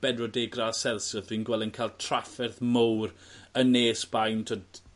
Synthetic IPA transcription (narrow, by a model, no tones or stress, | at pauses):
b̥ɛdɔdeɡrasɛlˠsədwiːnɡwɛlˠɪnkʰaːlˠtʰr̥afɛrθmowrəneːsb̥ajntʰəd